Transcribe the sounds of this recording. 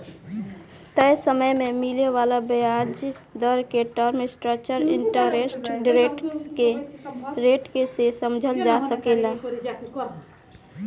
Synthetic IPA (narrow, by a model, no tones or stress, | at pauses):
t̪əjsəməjmemileʋalabəjad͡ʒ | d̪əɾkeʈəɾmɪsʈɾəkt͡ʃəɾɪ̰ɳʈəɾesʈɖɾeʈske | ɾeʈkesesəmd͡ʒʱəld͡ʒasəkela